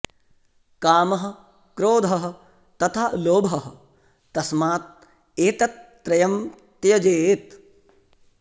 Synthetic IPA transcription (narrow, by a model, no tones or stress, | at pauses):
kaːmɐɦɐ̆ | kɾoːd̪ʱɐɦɐ̆ | t̪ɐt̪ʰaloːbʱɐɦɐ̆ | t̪ːɐsmaːt̪̚ | eːt̪ɐt̪ːɾɐjɐmt̪jɐd͡ʒeːt̪